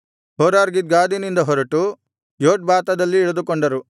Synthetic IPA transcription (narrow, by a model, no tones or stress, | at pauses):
ɦɔːɾaːɾɡid̪̚ɡaːd̪inind̪ɐɦɔɾɐʈu | joːʈ̚baːt̪ɐd̪ɐlːiːɭɐd̪ukoɳɖɐɾu